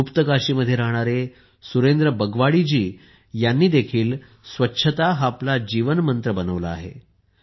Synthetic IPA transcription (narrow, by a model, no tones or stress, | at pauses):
upt̪əkaɕiːməd̪ʱjeɾaɦɳ̃aɾe | suɾend̪ɾəbəɡʋaɽid͡ʑiː | janːiːd̪ekʰiːl | sʋətːɕʰət̪aɦaplad͡ʑiʋənmənt̪ɾəbənəʋlaa̰ɦḛ